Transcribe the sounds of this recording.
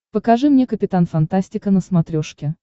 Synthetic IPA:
pəkɐʐɨmnʲekəpʲɪt̪anfɐnt̪asʲtʲɪkənəsmɐt̪ɾʲoʂkʲɪ

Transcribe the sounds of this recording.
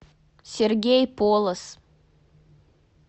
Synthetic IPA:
sʲɛɾʲɡʲɛjpoːlˠɐs

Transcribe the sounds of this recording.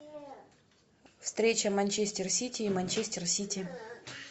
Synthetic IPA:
fst̪ɾʲet͡ɕəmɐnʲt͡ɕesʲtʲɪrsʲitʲɪːmɐnʲt͡ɕesʲtʲɪrsʲitʲɪ

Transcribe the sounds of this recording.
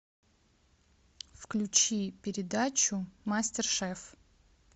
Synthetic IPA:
fklʲʊt͡ɕipʲɪɾʲɪd̪at͡ɕʊmasʲtʲɪrʂɛf

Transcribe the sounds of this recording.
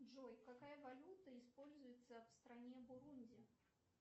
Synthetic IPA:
ʐojkakajəvɐlʲut̪əɪspolʲzʊjɪt̪səfst̪ɾanʲebʊɾunʲdʲɪ

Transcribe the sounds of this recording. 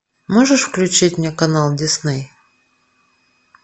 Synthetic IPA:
moʐɨʂfklʲʉt͡ɕitʲmʲnʲakɐnalˠdʲɪsnɨj

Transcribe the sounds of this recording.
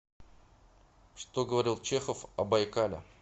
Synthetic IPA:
ʂt̪o̞ɡəvɐɾʲilˠt͡ɕexəfɐbɐjkalʲɪ̰

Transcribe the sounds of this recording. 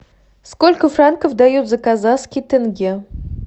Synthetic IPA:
skolʲkə̆frankofd̪ɑjut̪zəkazɑskʲit̪ɘ̆ŋɡʲe

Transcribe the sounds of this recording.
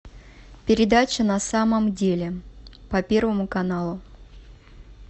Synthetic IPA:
pʲɪɾʲɪd̪at͡ɕənɐsaməmdʲelʲɪpɐpʲe̞rvəmʊkɐnalˠʊ

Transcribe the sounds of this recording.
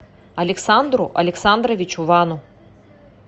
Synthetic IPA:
ɐlʲɛksand̪ɾʊʔɐlʲɛksand̪ɾɐʋʲit͡ʃʊʋɑnʊ

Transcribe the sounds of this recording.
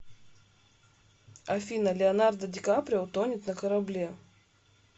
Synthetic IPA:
ɐfʲinəlʲɪɐnard̪ɐdʲɪkapɾʲɪəʊt̪onʲɪt̪nɐkɐɾɐblʲe

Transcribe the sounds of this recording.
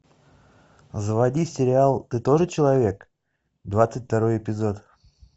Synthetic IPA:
zəvɐdʲisʲɪɾʲɪalˠt̪ɨt̪o̞ʐɨt͡ɕɪlˠɐvʲe̞k | d̪vat̪sɨtʲft̪ɐɾo̞jɪpʲɪzo̞t̪

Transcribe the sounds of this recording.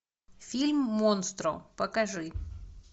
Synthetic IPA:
fʲilʲmːonst̪ɾɔ̰pəkɐʐɨ

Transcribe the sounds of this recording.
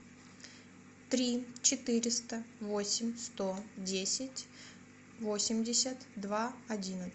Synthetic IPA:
t̪ɾʲit͡ɕɪt̪ɨɾʲɪst̪əvo̞sʲɪmʲst̪o̞dʲesʲɪtʲ | vosʲɪmʲdʲɪsʲət̪d̪vaɐdʲinə

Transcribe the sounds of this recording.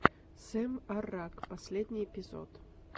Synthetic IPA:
sʲemʲɐrakpɐsʲlʲed̪ʲnʲijepʲɪzo̰t̪

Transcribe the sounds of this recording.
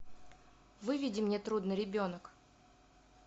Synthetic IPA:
vɨvʲidʲɪmnʲet̪ɾud̪nɨɾʲɪbʲo̞nək

